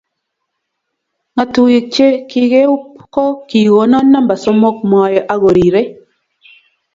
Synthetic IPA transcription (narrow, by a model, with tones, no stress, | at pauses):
ŋa˨tu˨ji˨t͡ʃe˦ki˦ɣe˦u˦pkɔ˦ki˨ɣo˨˦nɔ˦nːa˦mba˨so˦mo˦k̚mɔ˨jɔ˨ʔa˦ɣo˨ɾi˨ɾe˦